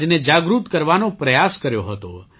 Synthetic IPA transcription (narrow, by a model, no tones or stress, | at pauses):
d͡ʒned͡ʒaɡɾut̪kəɾʋanopɾəjaskəɾjoɦət̪o̰